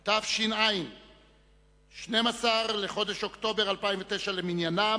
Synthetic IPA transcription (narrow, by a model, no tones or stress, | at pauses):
t̪afʃinaim | ʃne̞masaʁle̞χo̞d̪eʃo̞kt̪o̞be̞ʁalpaimvet̪eʃaleminjana